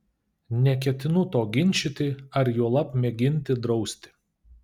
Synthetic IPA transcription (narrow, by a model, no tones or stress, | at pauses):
nʲɛk̬ʲɛt̪ʲɪnʊt̪oːɡʲɪnʲˑt͡ʃʲɪt̪ʲɪɐɾjuɔlˠɐpmʲɛɡʲɪnʲt̪ʲɪd̪ɾɒʊsʲt̪ʲɪ̥